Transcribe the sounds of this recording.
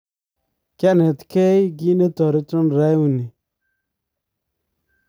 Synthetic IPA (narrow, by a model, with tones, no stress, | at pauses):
kʲa˦ne˨tke˦ɡi˦ne˦tɔ˨ɾi˦tu˦n˨ɾa˦ju˨ni˨